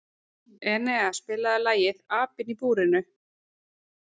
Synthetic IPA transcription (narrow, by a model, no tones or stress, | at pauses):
ɛnɛaspɪːlaðɪlaːjɪðaːpɪnipuːɾɪnʏ